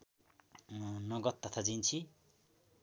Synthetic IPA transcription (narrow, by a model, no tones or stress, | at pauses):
nʌɡʌt̪ːʌt̪ʰad͡zint͡sʰi